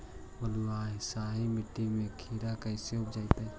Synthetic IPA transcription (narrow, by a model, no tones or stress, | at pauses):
bəluaːɦsaːɦimɪʈːimẽkʰiːɾakəɪseʊpd͡ʒaːit̪ɛ